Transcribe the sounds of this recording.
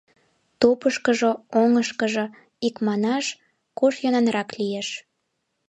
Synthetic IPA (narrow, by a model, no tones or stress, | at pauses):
t̪opəʃkəʒooŋəʃkəʒo | ikmɑnɑʃ | koʃjonɑnɾɑklijeʃ